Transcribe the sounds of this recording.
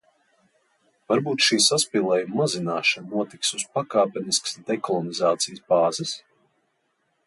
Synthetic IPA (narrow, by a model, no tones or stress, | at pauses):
vaɾbuːt̪ʃiːsaspiːlˠɛːjumːazinaːʃannuɔt̪iksuspakaːpʲɛnisksd̪ɛkɔlˠɔnizaːt̪sijəsbaːzɛs